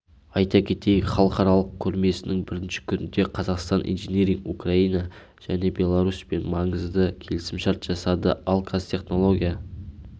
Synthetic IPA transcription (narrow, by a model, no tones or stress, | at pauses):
ɑjt̪ɑkʲʰe̞t̪e̞jχɑlˠəqɑɾɑlˠəq̚kʲʰɵɾme̞sɪnɪŋbɪɾɪnʃɪ̥kʲʰʏnɪnd̪e̞qʰɑzɑqst̪ɑnʔḭjnʒenʲeɾiŋukrɑinɑ | ʒ̥æne̞bʲe̞lˠɑɾuspe̞nmɑɴəzd̪əkʲʰe̞lɪsɪmʃɑɾt̪ʒ̥ɑsɑd̪əɑlˠkʰɑst̪ʰʲe̞χno̞lˠo̞ɡʲija